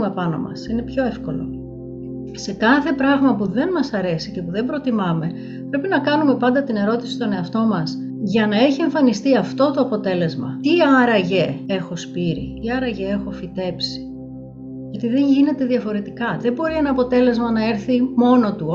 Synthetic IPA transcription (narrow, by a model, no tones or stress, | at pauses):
mepɐno̞̰mɐ̰sine̞pço̞e̞fko̞lo̞̰ | se̞kɐθe̞pɾɐɣmɐpuðe̞nmɐsɐɾe̞sice̞puðembɾo̞t̪imɐme̞ | pɾe̞pinɐkɐnume̞pɐnd̪ɐt̪ine̞ɾo̞t̪isi̥t̪o̞ne̞ɐft̪o̞mɐs | ʝɐnɐe̞çie̞ɱfɐnist̪iɐft̪o̞t̪o̞ɐpo̞t̪e̞le̞zmɐ̰t̪iɐɾɐʝe̞e̞xo̞spiɾḭt̪iɐɾɐʝee̞xo̞fit̪e̞psi̥ | ʝɐt̪iðe̞ɲʝine̞t̪e̞ðiɐfo̞ɾe̞t̪ikɐðe̞mbo̞ɾie̞nɐːpo̞t̪e̞le̞zmɐnɐe̞ɾθimo̞no̞t̪u